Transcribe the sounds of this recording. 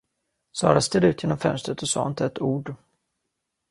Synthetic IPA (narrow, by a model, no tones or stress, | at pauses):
sɑːɾast̪eːd̪ʉ̟ːt̪jeːnɔmfœ̰nst̪ɾət̪ɔsɑ̰ːɪnt̪ʰɛt̪uːɖ